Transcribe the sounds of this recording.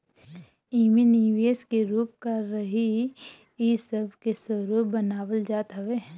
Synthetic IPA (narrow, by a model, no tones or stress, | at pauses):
iːminiʋeːskeɾuːp̚kɐɾːəɦi | isəbʱkesəɾuːpbənaːwəld͡ʒaːt̪ɦɐʋe